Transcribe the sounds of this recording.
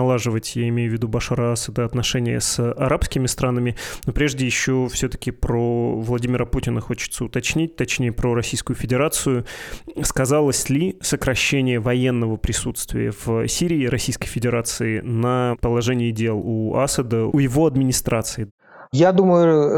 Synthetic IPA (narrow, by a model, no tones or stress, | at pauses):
ɐlˠaʐɨvətʲjaɪmʲejʊvʲːɪd̪ubɐʂaɾəasəd̪əɐt̪nɐʂɛnʲɪjə̰sʔɐɾapskʲɪmʲɪst̪ɾanəmʲɪnopɾʲeʐdʲɪjɪɕːofsʲɵt̪ə̥kʲɪpɾovlˠɐdʲimʲɪɾəputʲɪnəxo̞t͡ɕɪ̥t̪səʊt̪ɐt͡ɕnʲit̚ʲt̪ɐt͡ɕnʲejəpɾoɾɐsʲijskʊjʊfʲɪdʲɪɾat̪sɨjʊskɐzalˠəsʲlʲɪsəkɾɐɕːenʲɪjəvɐjenːəvəpɾʲɪsut̪st̪vʲɪ̰jə̰v̥sʲiɾʲɪːɾɐsʲijskəjfʲɪdʲɪɾat̪sɨɪnəpəlˠɐʐɛnʲɪɪdʲe̞lˠuasəd̪əujɪvo̞ɐd̪mʲɪnʲɪst̪ɾat̪sɨɪ | jad̪uməjʊ